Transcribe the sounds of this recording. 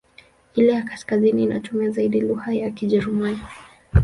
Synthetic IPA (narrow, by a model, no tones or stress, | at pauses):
ilɛjakaskaziniːnʔa̰tumiazaiɗiluhajakiʄɛɾimani